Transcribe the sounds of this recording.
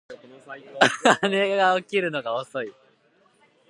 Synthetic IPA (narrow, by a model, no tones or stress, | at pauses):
ane̞ɡaokʲiɾɯ̟no̞ɡaoso̞i